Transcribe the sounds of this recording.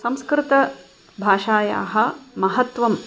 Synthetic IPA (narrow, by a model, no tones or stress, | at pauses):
sɐmskɾɪt̪ɐ | bʱaːʃaːja̰ːɦɐ̆mɐɦɐt̪ʋɐm